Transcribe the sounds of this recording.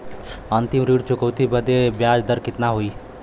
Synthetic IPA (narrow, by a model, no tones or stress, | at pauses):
ənt̪imɾiɽt͡ʃʊkəwt̪ibəd̪ebjaːd͡ʒd̪əɾkɪt̪naɦoi